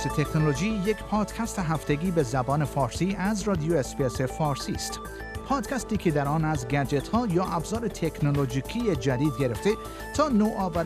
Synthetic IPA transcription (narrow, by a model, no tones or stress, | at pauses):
set̪ʰe̞knolod͡ʒiːjekʰpʰɒːd̪̥kʲʰæst̪eɦæft̪e̞ɡʲiːbe̞zæbɒːne̞fɒːɾsiːʔæzrɒːd̪ijoesbiese̞fɒːɾsiːst̪ | pʰɒːd̪̥kʰʲæst̪iːkʰed̪æɾɒːnæzɡæd͡ʒe̞t̪hɒːjɒːʔæbzɒːɾet̪ʰekʰnolod͡ʒiːkʰijed͡ʒæd̪iːd̪ɡe̞ɾe̞ft̪e̞ | t̪ʰɒːnoːʔɒːvæɾ